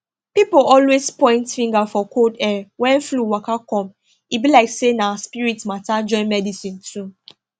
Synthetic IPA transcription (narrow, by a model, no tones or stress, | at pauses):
pipoɔlwespɔ̃ɪ̃ntfĩŋɡafɔkʰodɛwɛ̃nfluwakakɔ̃m | ibilaɪksenaspiɹitmatad͡ʒɔ̃ɪ̃nmɛdisĩntʰu